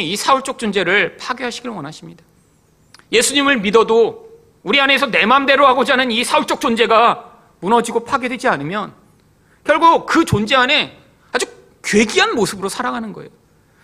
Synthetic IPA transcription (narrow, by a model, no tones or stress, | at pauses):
isʰauɭt͡ɕ͈ok̚t͡ɕ͈ond͡ʑe̞ɾɯɭpʰaɡjoɦaɕʰiɡiɭwʌnaɕʰimɲida | je̞sʰuɲimɯɭmidʌdo | uɾiane̞sʰʌne̞mande̞ɾoɦaɡod͡ʑɦanɯnisʰauɭt͡ɕ͈ok̚t͡ɕond͡ʑe̞ɡa | munʌd͡ʑiɡopʰaɡe̞dwe̞d͡ʑianɯmjʌn | kjʌɭɡukɯt͡ɕond͡ʑe̞ane̞ | ad͡ʑu | kɥe̞ɡiɦanmosʰɯbɯɾosʰaɾaɡanɯnɡʌ̰ḛjo